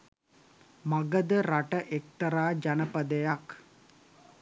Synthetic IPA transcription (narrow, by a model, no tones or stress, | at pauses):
maɡəd̪əɾaʈəʔek̚t̪əɾaːd͡ʒanəpəd̪əjak